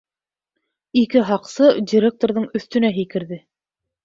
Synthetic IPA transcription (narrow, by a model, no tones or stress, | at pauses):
ikɘɦɑqsɤdʲiɾʲek̚t̪oɾðɤɴɵ̆θt̪ɵ̆næɦikɘ̆ɾðɘ